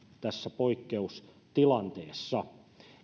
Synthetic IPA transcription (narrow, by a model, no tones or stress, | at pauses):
t̪æsːæpoikːeus | t̪ilɑnt̪eːsːɑ